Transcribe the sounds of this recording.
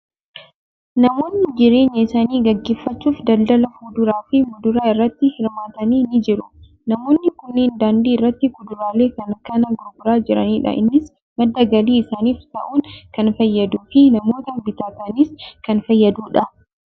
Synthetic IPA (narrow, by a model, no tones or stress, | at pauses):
nɐmo̞ːnːɪd͡ʒɪɾe̞ːɲːɐɪsaːniːɡɐɡːe̞ːfːɐt͡ʃːuːfd̪ɐld̪ɐlɐfuːd̪ʊɾaːfɪmʊd̪ʊɾaːɪrːɐt̪ːɪhɪɾmaːt̪ɐniːnɪd͡ʒɪɾʊ | nɐmo̞ːnːɪkʊnːeːnd̪aːnd̪iːɪrːɐt̪ːɪɡʊd̪ʊɾaːle̞ːkɐnɐkːɐnɐɡʊɾɡʊɾaːd͡ʒɪɾɐniːᶑɐ̰ʔɪ̰nːɪs | mɐd̪ːɐɡɐliːɪsaːniːft̪ɐ̰ʔuːŋkɐnfɐjːɐd̪uːfɪnɐmo̞ːt̪ɐbɪt̪aːk̪ɐniːskɐnfɐjːɐd̪uːᶑɐ